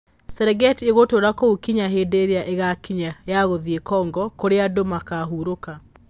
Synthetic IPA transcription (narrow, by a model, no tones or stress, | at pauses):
sɛɾɛɡɛtieɣotoːɾakoukiɲaɦeːdeɾeaʔeɣakiɲajaɣoðiekɔːŋɡɔkoɾeadomakaɦuɾoka